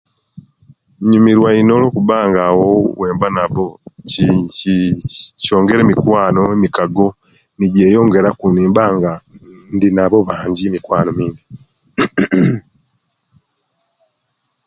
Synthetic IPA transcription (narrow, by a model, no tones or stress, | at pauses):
ɲumiɾwaino̞ːlo̞ːkuβaːŋɡawowe̞ːmbanaβociico̞ːŋɡe̞ɾeːmikwaːno̞emikaɡo̞ | niɟe̞ːjo̞ːŋɡe̞ɾakuniːmbaːŋɡandinaβo̞βaːɲɟiemikwaːno̞miːndi